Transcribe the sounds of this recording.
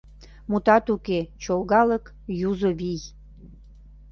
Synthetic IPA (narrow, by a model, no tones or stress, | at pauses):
mut̪ɑt̪uket͡ɕolɣɑlək | juzoβij